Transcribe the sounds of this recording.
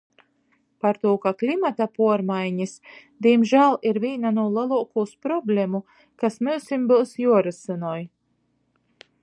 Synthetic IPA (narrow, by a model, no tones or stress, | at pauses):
paɾt̪uɔkaklʲimat̪apuɔɾmajɲis | d̪iɛmʒæːlˠiɾvʲiːnanuɔlˠalˠuɔkuːspɾɔblʲemu | kasmɛwsimbɨwsjuɔɾɨsɨnɔːj